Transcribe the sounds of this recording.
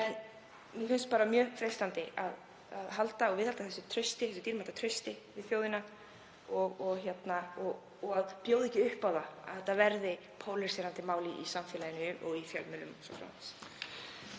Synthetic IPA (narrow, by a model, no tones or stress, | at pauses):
ɛn | mɛfʏnst̪paːɾamjœːfɾejst̪ant̪ɪað | aðɦalt̪aɔɣvɪðhalt̪aθɛsʏt̪ʰɾœɥst̪ɪθɛsʏt̪iːɾmalt̪at̪ʰɾœɥst̪ɪvɪðfjoːwðɪna | ɔɣɔɣçjɛt̪naɔ | ɔɣaðpjowðɛhcɪʏhpaːwðaa̰ɛt̪avɛɾðɪ | pʰowlɪɾsɛɾant̪ɪmaːwliʔisamfjɛlajɪnʏʔɔɣifjœlmʏlʏmsɔ̰fɾa̰wnans